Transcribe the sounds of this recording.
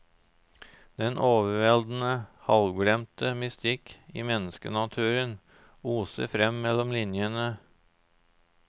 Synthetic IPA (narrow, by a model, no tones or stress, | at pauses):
d̪̥ɛnʔoːʋəʋɛld̪n̩əhɑlɡɽɛmt̪əmʏst̪ɪkiːmɛnəskə̰nɑt̪ʰʉːɾən | uːsə̰fɾɛmːɛlɔmlɪnjənə